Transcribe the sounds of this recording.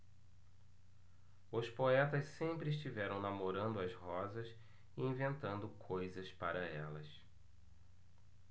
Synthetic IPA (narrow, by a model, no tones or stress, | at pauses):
ʊspoɛt̪ɐssẽmpɾɪːʃ̬t͡ʃivɛɾɐ̃w̃namoɾɐ̃nd̪ʊɐzhɔzɐs | ɪĩvẽnt̪ɐ̃nd̪ʊkʰojzɐspaɾɐɛlɐ̰s